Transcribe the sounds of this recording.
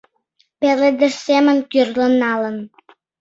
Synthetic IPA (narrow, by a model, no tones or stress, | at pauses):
pelĕd̪ə̆ʃsemə̆nʲkyrlə̆nːɑlə̆n